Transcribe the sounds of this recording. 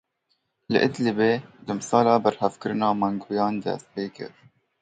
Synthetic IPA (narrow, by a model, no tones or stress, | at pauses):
lɨ̰ʔɪd̪lɨbeːd̪ɨmsɑːlɑːbæɾhɛvkɨɾɨnɑːmɑŋɡʰuːjɑːnd̪ɛ̰st̪̚peːkɨ̰ɾ